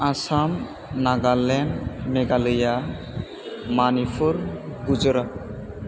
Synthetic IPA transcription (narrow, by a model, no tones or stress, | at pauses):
asam | naɡalɛnmeɡalɯja | manifʰuɾɡud͡ʒɔɾa